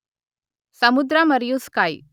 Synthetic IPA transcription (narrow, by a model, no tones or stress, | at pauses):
səmud̪ɾaməɾjuskaj